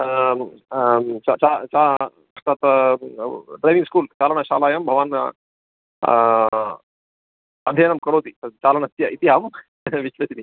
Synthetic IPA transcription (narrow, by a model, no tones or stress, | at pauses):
t͡ʃa̰t͡ʃat͡ʃa | t̪at̪ | ɖɾajʋiŋɡskuːlt͡ʃaːlɐɳɐʃa̰ːlaːjɐmbʱɐʋaːn | ɐd̪ʱeːnɐmkɐɾoːt̪iɐt͡ʃaːlɐɳɐt̪jɐit̪iɦaːm | ʋiʃʋɐsini